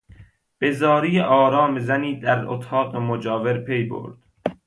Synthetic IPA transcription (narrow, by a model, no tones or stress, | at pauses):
b̥e̞zɒːɾijeʔɒːɾɒːmezæniːd̪æɾo̰t̪ʰɒːqemod͡ʒɒːveɾpʰe̞jbo̰ɾd̪̥